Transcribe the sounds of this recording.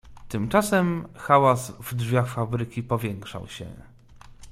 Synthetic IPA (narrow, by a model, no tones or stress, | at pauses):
t̪ɘmt͡ʂasɛmxawazvdʐvʲjaxfabɾɘkʲipɔvʲjɛŋkʂa̰wɕɛ̰